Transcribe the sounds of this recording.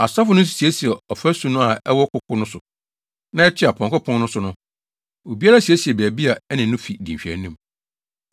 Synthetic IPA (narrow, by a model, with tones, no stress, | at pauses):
a˨sa˦fʊ˨˦nʊ̃˦s̬i̥˨si˨e˦si˨ɛ˨ɔ˨fæ˦sũ˨˦nʊ̃˦a˨ɛ̰˦wɔ˦kʰʊ˦kʰʊ˦nʊ̃˦sʊ˨ | nã˦ɛ˦t͡ɕʰɪ˦a˨pʰɔ̃˨ŋkʊ˦pʰɔ̃˦nnʊ̃˦sʊ˨˦nʊ̃˦ | o˨bi˦a˦ɾa˦si˨æ˦si˨ɛ˨bæ˨bi˦a˨ɛ˦nɪ̃˨nʊ̃˦fi˨dĩ˨ɕᶣæ̰˨nĩ˦m